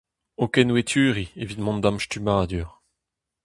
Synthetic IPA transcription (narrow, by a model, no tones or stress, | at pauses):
okɛnwet̪ʰyːʁievit̪mɔ̃nd̪ãmʃt̪ymad̪yːʁ